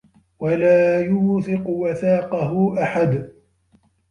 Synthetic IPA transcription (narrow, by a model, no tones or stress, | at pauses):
walaːjʊːθɪqʊwaθaːqɑɦʊʔaħad̪